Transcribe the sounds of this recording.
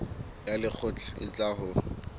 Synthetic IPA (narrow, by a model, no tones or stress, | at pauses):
jalɪk͡xʰʊt͡ɬʼaɪ̰t͡ɬʼaɦʊ